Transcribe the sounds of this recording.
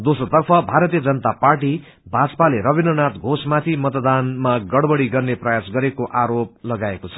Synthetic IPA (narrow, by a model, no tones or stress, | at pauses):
d̪osrot̪ʌrpʰʌbʱaɾʌt̪ijʌd͡zʌnʌt̪aparʈi | bʱad͡zpaleɾʌbinʌnat̪ɡʱosmat̪ʰimʌt̪d̪anmaɡʌɽbʌɽiɡʌrneprʌjasɡʌɾekoʔaɾop̚lʌɡaekot͡sʰʌ̥